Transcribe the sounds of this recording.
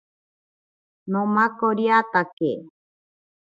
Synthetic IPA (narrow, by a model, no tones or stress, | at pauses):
nõmakoɾjat̪ake